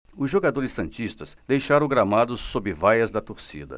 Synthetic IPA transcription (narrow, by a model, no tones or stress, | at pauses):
ʊzʒoɡad̪oɾɪsːɐ̃nt͡ʃist̪ɐsd̪ejʃaɾɐ̃w̃ɡɾamad̪ʊsːobɪvajɐzd̪ɐt̪oɾsḭd̪ɐ̰